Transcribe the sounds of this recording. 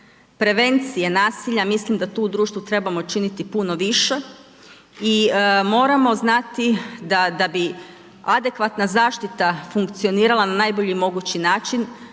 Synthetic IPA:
pɾe̞ʋe̞nt̪sije̞naːsiʎamislimd̪at̪uːud̪ɾuːʃt̪ʋut̪ɾe̞bamo̞t͡ʃinit̪ipuno̞ʋiʃe̞ | imo̞ːɾamo̞znat̪id̪ad̪abi | ad̪e̞kʋat̪nazaːʃt̪it̪afuŋkt̪sijo̞niːɾalˠananajboʎimo̞ɡut͡ɕinaːt͡ʃin

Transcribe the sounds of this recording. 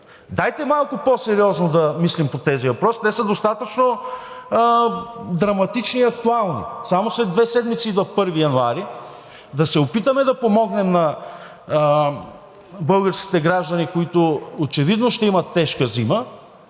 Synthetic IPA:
d̪ajt̪ɛmalˠkʊposɛɾiɔznod̪ɐmislimpot̪ɛzivɐpɾɔsnɛsəd̪ost̪at̪ət͡ʃno | d̪ɾɐmɐt̪it͡ʃniːɐk̚t̪ualˠnḭsamoslɛd̪vɛsɛd̪mit̪sivɐfpɤɾvijɐnuaɾi | d̪ɐsɛopit̪əmɛd̪ɐpomɔɡnɛmnɐ | bɤlˠɡəɾskʲi̥t̪ɛɡɾaʒd̪ɐnikoit̪ʊot͡ʃɛvid̪noʃt̪ɛimɐt̪ːɛʃkəzimə

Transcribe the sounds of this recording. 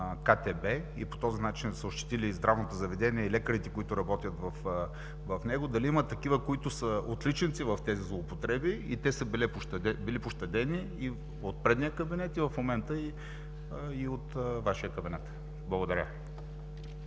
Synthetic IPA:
kat̪ɛbɛ | ḭpo̥t̪ɔzinat͡ʃinsəoʃt̪i̥t̪ilizd̪ɾavnot̪ozɐvɛd̪ɛniɛilɛkəɾit̪ɛkoit̪ʊɾɐbɔt̪ijət̪vɐf | vɐfnɛɡod̪ɐliimət̪ːɐk̟ivəkoit̪ʊsəot̪lit͡ʃɛnt̪sivɐft̪ɛzizlˠoːpot̪ɾɛbiḭt̪ɛsəbilɛpʊʃt̪ɛbilipʊʃt̪ɛd̪ɛni | i | ot̪̚pɾɛd̪nijəkəbinɛt̪ivɐfmomɛnt̪əi | iot̪vaʃijəkɐbinɛt̪ | blˠɐɡod̪ɐɾʲə̰

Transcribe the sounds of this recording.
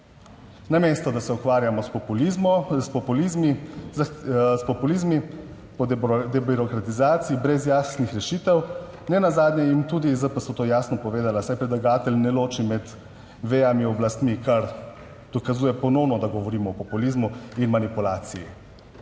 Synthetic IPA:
nameːst̪ɔd̪asɛukʋaːɾjamɔspɔpulimspɔpulizmizspɔpulizmi | pɔd̪ɛbiɾɔkɾat̪izaːt̪siibɾɛzjaːsnixɾɛʃiːt̪ɛw | nɛnazaːd̪njɛint̪uːd̪izəpəsɔt̪oːjaːsnɔpɔʋeːd̪alasajpɾɛd̪laɡaːt̪ɛlʲnɛloːt͡ʃimɛd̪ | ʋejamiɔblast̪mikaɾ | d̪̥ɔkazuːjɛpɔnɔwnɔd̪aɡɔʋɔɾiːmɔːpɔpulizmuinmanipulaːt̪siji

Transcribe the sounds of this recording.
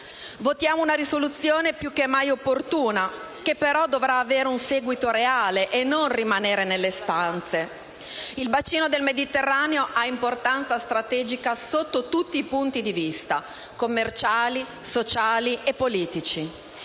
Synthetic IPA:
vot̪jaːmounaɾisolut̪sːjoːnepjuk̟ːemːajopːort̪uːna | k̟epːeɾɔd̪ovɾaːveːɾeunseːɡwit̪oɾeaːleʔenːonrimaneːɾenelːest̪ant̪se | ilbat͡ʃːiːnod̪elmed̪it̪erːaːneoʔaimport̪ant̪sast̪ɾat̪ɛːd͡ʒikasot̪ːot̪ut̪ːiːpunt̪id̪ivist̪a | komːert͡ʃaːli | sot͡ʃaːliʔepːoliːt̪it͡ʃi

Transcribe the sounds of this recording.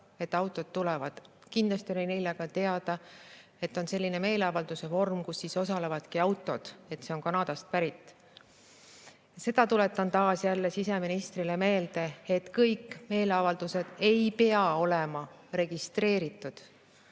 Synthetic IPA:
e̞t̪ːˑɑwt̪ːˑo̞d̪̥t̪ulɛvɑd̪̥kind̪lɑst̪ionenejleɡ̥ɑt̪e̞ɑd̪̥ɑ | e̞t̪ːˑo̞nse̞lʲːine̞me̞ːleɑvɑld̪̥use̞vo̞rmkusːiso̞sɑle̞vɑd̪̥kiɑwt̪ˑːo̞d̪̥e̞t̪se̞o̞nkɑnɑːd̪̥ɑst̪̚pæɾit̪ːˑ | se̞d̪̥ɑt̪ule̞t̪ːˑɑnt̪ɑːsjælːesise̞minist̪rileme̞ːld̪̥e̞ːt̪kɤjkːˑme̞ːle̞ɑvɑld̪̥use̞d̪̥e̞jpe̞ɑo̞le̞mɑ | re̞ɡ̥ist̪ɾe̞ːɾit̪ːˑud̪̥

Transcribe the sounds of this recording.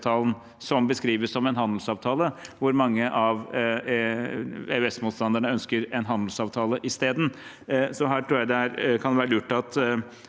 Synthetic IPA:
t̪ʰɑːln̩ | sɔmbəskɾiːʋəssɔmɛnɦɑnd̪l̩sɑːʋt̪ʰɑːləʋʊɾmɑŋːəʔɑʋ | eːʉɛsmuːt̪st̪ɑnd̪əɳəœnskəɾɛnɦɑnd̪l̩sɑːʋt̪ʰɑːləʔɪst̪eːd̪n̩ | sɔɦæːʈʰɾuːɾjæɪd̪ɛæɾkʰɑnʋæːɾəʉʈːɑt̪

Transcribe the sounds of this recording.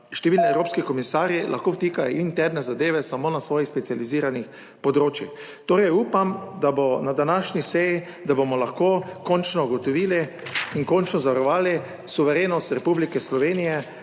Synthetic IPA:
ʃt̪ɛʋiːlniɛwɾoːpskikɔmisaːɾjilʔa̰xkoːwt̪iːkajɔʔint̪ɛɾnɛzad̪eːʋɛsamoːnasʋɔːjixspɛt̪sijaliziːɾanix | pɔd̪ɾoːt͡ʃjix | t̪oːɾɛjuːpamd̪abonad̪anaʃnʲisɛji | d̪abomɔlaxkoːkɔnt͡ʃnɔuɡɔt̪ɔʋiːli | inkɔnt͡ʃnɔzaʋaɾɔʋaːli | suʋɛɾeːnɔst̪ɾɛpublikɛslɔʋeːnijɛ

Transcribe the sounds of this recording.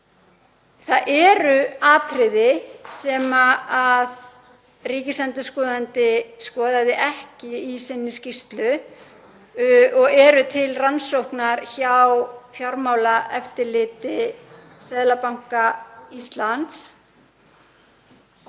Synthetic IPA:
θaðʔɛɾʏaːt̪ɾɪðɪsɛːmaað | riːcɪslɛnt̪ʏskɔːðant̪ɪskɔːðaðɪʔɛhcɪisɪnːɪscir̥t̪lʏ | ɔɣɛɾʏt̪ʰɪlransowhknaɾçawfjaɾmaːwlaɛft̪ɪɾlɪːt̪ɪ | sɛːðlapawŋ̥kaist̪lant̪s

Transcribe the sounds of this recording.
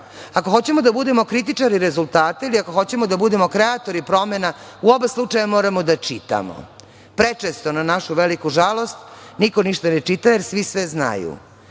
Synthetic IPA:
ako̞xo̞t͡ɕemod̪abud̪emo̞kɾit̪̬it͡ʂaɾiɾezulˠt̪aːt̪e̞iliako̞xo̞t͡ɕemod̪abud̪emo̞kɾeat̪o̞ɾipɾo̞mena | uo̞beslˠut͡ʂajemoːɾamod̪at͡ʃit̪a̰mo̰ | pɾet͡ʂest̪o̞nanaʃuʋelikuʒalˠo̞st̪niko̞niʃt̪anet͡ʂit̪ajeɾsʋisʋezna̰jṵ

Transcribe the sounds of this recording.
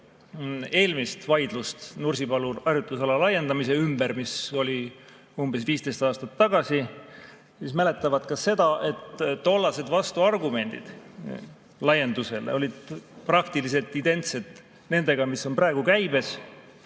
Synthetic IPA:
e̞ːlmist̪vɑjd̪̥lust̪nurʲsipɑluɑrjut̪ˑːusɑlɑlɑje̞nd̪ɑmise̞ymbeɾmiso̞lʲi | umb̥e̞sviːst̪e̞st̪ɑːst̪ɑt̪ːɑɡɑsi | siːsmæle̞t̪ːˑɑvɑd̪kɑsse̞d̪̥ɑʔe̞t̪ːo̞lːɑse̞d̪vɑst̪uɑrɡume̞nʲd̪̥ḭd̪̥ | lɑje̞nd̪use̞l̰o̞lʲid̪̥̚prɑkt̪ilis̬e̞lt̪ːˑint̪e̞nt̪se̞d̪̥ | ne̞nd̪̥e̞ɡ̥ɑmisːo̞nprɑeɡ̥ukæjbe̞s

